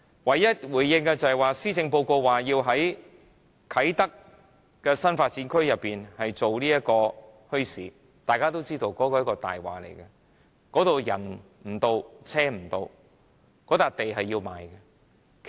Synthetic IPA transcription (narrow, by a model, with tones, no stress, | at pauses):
wɐ˨jːɐ˥t̚wuː˨˩jjɪ˧ŋkɛ˧t͡sɐ˨hɐ˨jwaː˨˧siː˥t͡sɪ˧ŋpo˧wko˧wwaː˨˩jiː˧wɦɐ˨˥j | kʰɐ˨˥jt̪ɐ˥k̚ː | ɛː˧sɐ˥nfaː˧t̚t͡siː˨˥nkʰɵ˥ɥjɐ˨pːiː˨˩nhɐ˨jt͡so˨wliː˥jɐ˥t̚kɔː˧hɵ˥ɥsiː˨˩ | t̪aː˨jkaː˥t̪o˥wt͡siː˥t̪o˧wkɔː˨˥kɔː˧jɐ˥kɔː˧t̪a̰ː˨jwa̰ː˨˩lḛ˨˩jkɛ˧ | kɔː˨˥t̪o˨wjɐ̰˨˩n | m̩˨˩t̪o˧wt͡sʰɛː˥m̩˨˩t̪o˧w | kɔː˨˥t̪aː˨k̚t̪e˨jɦɐ˨jːiː˧wma̰ː˨jkɛ˧